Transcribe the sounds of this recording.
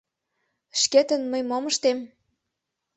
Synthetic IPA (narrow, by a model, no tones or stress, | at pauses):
ʃket̪ə̆nməjmomə̆ʃt̪em